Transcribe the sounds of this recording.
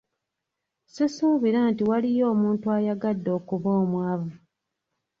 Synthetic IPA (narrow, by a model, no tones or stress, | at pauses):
sisuːβiɾaːntiwalijo̞ːmuːntuajaɡadːo̞ːkuβoːmwaːvu